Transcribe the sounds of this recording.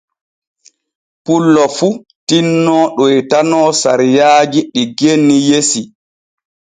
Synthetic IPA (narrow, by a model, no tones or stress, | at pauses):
pulːɔfu | tinːɔɗɔjtanɔːsa̰ɾijaːd͡ʒiɗiɡenːijesi